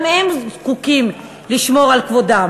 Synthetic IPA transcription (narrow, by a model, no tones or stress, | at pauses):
mhemzzkukim | liʃmo̞ʁalkvodam